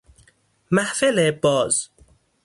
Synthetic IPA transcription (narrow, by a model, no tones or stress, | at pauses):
mæhfelebɒːz̥